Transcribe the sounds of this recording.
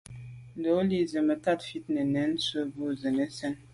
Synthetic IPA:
do˨˦li˦zə˨mə˨ta˦˨tfi˦t̚nə˨nɛ˨˦n̩˦sə˦bu˦zə˨nə˦sɛ˦n

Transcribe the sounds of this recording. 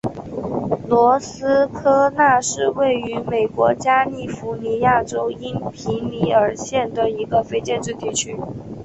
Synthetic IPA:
lwɔ˧˥sɹ̩˥kʰɤ˥na˥˧ʂɻ̩˥˧we˥˩ɪy˧˥me˨˩ɪkwɔ˧˥t͡ɕja˥li˥˩fu˧˥ni˧˥ja˥˩ʈ͡ʂo˥ʊi˥npʰi˧˥ŋli˧˥ə˞˨˩ɕjɛ˥˩nd̪ə˩i˧˥ɡə˧fe˥ɪt͡ɕjɛ˥˧nʈ͡ʂɻ̩˥˧t̪i˥˩t͡ɕʰy˥

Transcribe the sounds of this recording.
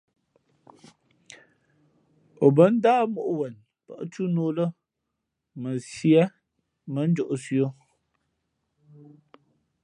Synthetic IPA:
o˨bə˦n̩˦daː˦mo˨ʔwə˨n | pə̰˨ʔt͡ʃu˦noː˨lə˦ | mə˨sjɛ˦ | mə˨˦n̩˦d͡ʒɔ˨ʔsjo˦

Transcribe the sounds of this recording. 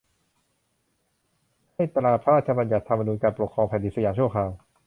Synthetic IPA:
ha˥˩jt̪laː˨˩pʰɾa˦ɾaː˥˩t̪̚t͡ɕʰa˧ba˧nja˨˩t̪ʰːa˧mːa˧nuː˧nkaː˧npɾo˨˩t̚kʰɾɔː˧ŋpʰɛː˨˩ndi˧˩sa˧jaː˨˧˦t͡ɕʰu˥˩ɐkʰaː˧w

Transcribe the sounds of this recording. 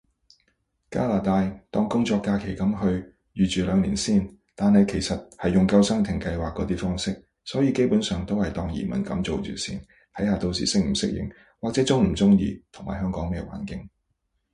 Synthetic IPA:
ka̰ː˥laː˨t̪aː˧jt̪ɔː˧ŋkʊ˥ŋt͡ʃɔː˧kːaː˧kʰe˨˩jkɐ˨˥mɦɵ˧ɥ | jyː˨t͡ʃyː˨lœː˨˧ŋlḭ˨˩nsiː˥˩n | t̪aː˨nhɐ˨jkʰe˨˩jsɐ˨t̚hɐ˨jːʊ˨ŋkɐ˧wsɐ˥ŋt̪ʰɪ˨˩ŋkɐ˧jwaː˨kːɔː˨˥t̪iː˥fɔː˥ŋsɪ˥k̚ | sɔː˨˥jiː˧˥ke˥jpuː˨˥nsœː˨ŋt̪o˥whɐ˨jt̪ɔː˧ŋjḭː˨˩mɐ̰˨˩nkɐ̰˨˥mt͡so˨wt͡ʃy̰ː˨˩sḭː˨n | t̪ʰɐ˨˥jhaː˨t̪o˧wsḭː˨sɪ˥k̚m̩˨˩sɪ˥k̚jɪ̰˨˩ŋ | waː˨t͡sɛ˨˥t͡sʊ˥ŋm̩˨˩t͡sʊ˥ŋjḭː˧t̪ʰʊ˨˩ŋmaː˨˩jɦœː˥ŋkɔː˨˥ŋmɛː˧wa̰ː˨˥nkɪ˧˥ŋ

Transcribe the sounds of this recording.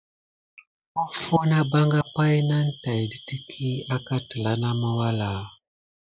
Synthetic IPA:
o˦fo˦na˦ba˦ŋɡa˦pa˦jna˦n̩˦ta˨ji˨di˦ti˦kʰi˦a˦ka˦tə˨la˨˦na˦ma˦wa˦la˨

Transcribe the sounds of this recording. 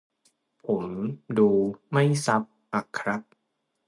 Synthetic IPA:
pʰo˩˦mduː˧ma˥˩jsa˦˥p̚ʔa˨˧˩kʰːɾa˦˥p̚

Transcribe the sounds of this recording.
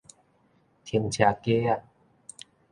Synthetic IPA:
t̪ʰi˧˩ə˦ŋt͡ɕʰa˨˧˩ke˦a˧˩

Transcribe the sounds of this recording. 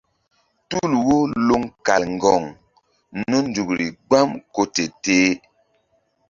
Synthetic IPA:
tu˦˨lwo˦lo˦ŋka̰˨lŋ˨ɡɔ˨ŋ | nə˦n̩˦du˨kɾḭ˨ɡ͡ba˦mko˦te˨teː˦

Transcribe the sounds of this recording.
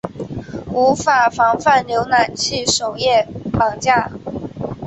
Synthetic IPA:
u˧˥fa˨˩fɑ˧˥ŋfa˥˩nljo˧˥ʊna˨˩nt͡ɕʰi˥˩ʂo˨˩ʊjɛ˥˩pɑ˨˩ŋt͡ɕja˥˩

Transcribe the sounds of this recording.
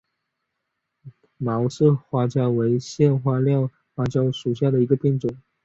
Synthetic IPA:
mɑ˧˥ʊʂɻ̩˥˧xwa˥t͡ɕjɑ˥ʊwe˧˥ɪɕjɛ˥˧nxwa˥˧ljɑ˥˧ʊ | xwa˥t͡ɕjɑ˥ʊʂu˨˩ɕ̬ja˥˩d̪ə˩i˧˥ɡə˧pjɛ˥˩nt͡sʊ˨˩˦ŋ

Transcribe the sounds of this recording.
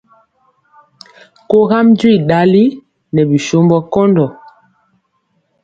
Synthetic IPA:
ko˦ɣa˦md͡ʒwi˦˨ɗa˨˦li˦ | nɛ˨bi˨ʃo˦mbɔ˦kɔ˦ndɔ˨

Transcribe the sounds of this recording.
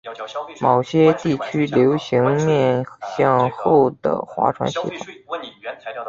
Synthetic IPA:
mo˨˩ʊɕjɛ˥t̪i˥˩t͡ɕʰy˥ljo˧˥ʊɕi˧˥ŋmjɛ˥˩nɕjɑ˥˧ŋxo˥˩ʊd̪ə̰˩xwa̰˧˥ʈ͡ʂʰwa̰˧˥nɕḭ˧˥t̪ʰʊ˨˩˦

